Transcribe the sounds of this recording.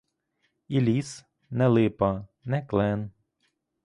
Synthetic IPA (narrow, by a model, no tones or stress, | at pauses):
ilʲis | nɛlˠɪpɐnɛklˠɛn